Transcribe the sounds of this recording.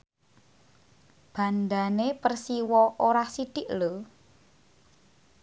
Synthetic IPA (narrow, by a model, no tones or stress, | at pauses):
b̥a̤nd̪anepərsiwɔʔoɾasid̪̥ɪʔlo